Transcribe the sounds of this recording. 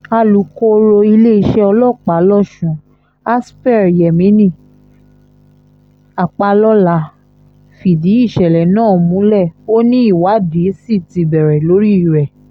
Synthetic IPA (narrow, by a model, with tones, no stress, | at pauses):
a˧lu˨˦ko˦ɾo˧i˧le˦i˧ʃɛ˦ɔ˧lɔ˦˨k͡pa˨˦lɔ˦˨ʃũ˨ | a˦spɛ˦˨ɾjɛ˨mĩ˨˦nĩ˦˨ | a˨k͡pa˧lɔ˦la˧˦ | fi˨di˨˦i˦˨ʃɛ˨lɛ˨nãː˦˨mũ˦lɛ˦˨o˦nĩ˦i˦˨wa˨˦di˨˦si˦˨ti˨˧˨bɛ˨ɾɛ˨lo˨˦ɾi˦i˨ɾɛ˨